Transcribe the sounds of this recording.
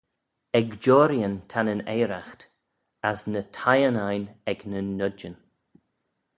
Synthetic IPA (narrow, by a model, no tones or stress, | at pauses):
ɛɡd͡ʒɔːɾjənt̪ʰanəneːɾaxt̪ | asnətʰajənajnɛɡnənːʊd͡ʒən